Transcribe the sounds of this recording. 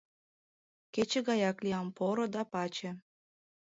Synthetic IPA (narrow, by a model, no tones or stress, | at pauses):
ket͡ɕĕɣɑjɑklijɑmpoɾod̪ɑpɑt͡ɕĕ